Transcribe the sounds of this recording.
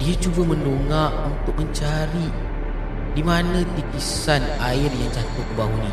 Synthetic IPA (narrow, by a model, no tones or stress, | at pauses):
diat͡ʃubaməndoŋaʔunt̪ʊk̚məɲt͡ʃaɾi | dimanãt̪ikisanaɪrjaŋd͡ʒat̪ʊkəbaɦunĩ